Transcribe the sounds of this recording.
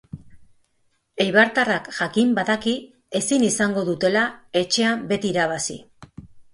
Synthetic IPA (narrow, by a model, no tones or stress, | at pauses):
ejβaɾt̪arakʝakimbaðaki | e̞sinisaŋɡo̞ðut̪e̞lae̞t͡ʃe̞ambe̞t̪iːɾaβ̞asḭ